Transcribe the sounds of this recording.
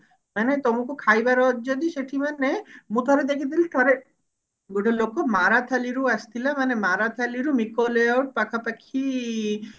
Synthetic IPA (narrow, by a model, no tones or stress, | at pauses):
manet̪omukukʰajbaɾɔd͡ʒod̪iʃeʈʰimanemũt̪ʰɔɾed̪ekʰit̪̬iliʈ̪ʰɔɾe | ɡuʈalokomaɾat̪ʰaliɾuast̪ʰilamanemaɾat̪ʰaliɾumikoleawʈ̚pakʰapakʰi